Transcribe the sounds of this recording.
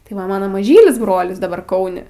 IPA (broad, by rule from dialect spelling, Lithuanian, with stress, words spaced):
tɐɪ ˈʋɐ ˈmɑːnoː mɐˈʒʲiːlʲɪs ˈbroːlʲɪs dɐˈbɐr ˈkɐʊnʲɪ